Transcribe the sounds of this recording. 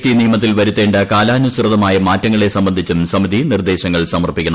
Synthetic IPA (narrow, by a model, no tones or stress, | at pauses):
ʈiniːmɐt̪ːilʋɐɾut̪ːe̞ːɳɖɐkaːlaːnusrɐðɐmaːjɐmaːtːɐŋːɐɭe̞sɐmbɐnd̪ʱit͡ɕːumsɐmid̪ʱinird̪e̞ːɕɐŋːɐɭsɐmɐrpikʲːɐɳɐ